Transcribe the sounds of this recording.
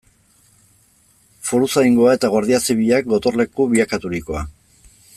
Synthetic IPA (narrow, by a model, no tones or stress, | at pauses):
foɾusajŋɡo̞aet̪aɣ̞o̞ɾðiasiβiʎak̚ɡo̞t̪o̞rle̞kuβiakat̪uɾiko̞a